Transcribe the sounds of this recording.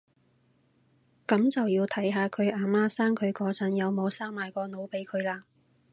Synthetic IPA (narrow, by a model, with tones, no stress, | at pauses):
kɐ˨˥mt͡sɐ˨wjiː˧wt̪ʰɐ˨˥jɦaː˨˧kʰɵ˨˧ɥʔaː˨maː˥saː˥ŋkʰɵ˨˧ɥkɔː˨˧t͡sʰɐ˨˥njɐ˨˧wmo˨˧wsaː˥ŋmaː˨jkɔː˧no˨˧˥wpe˨˥jkʰɵ˨˧ɥlaː˧